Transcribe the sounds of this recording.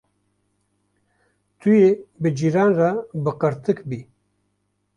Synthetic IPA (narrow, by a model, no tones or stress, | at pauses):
t̪ujebɨd͡ʒiɾaːnrabɨqəɾt̪ɨkbiː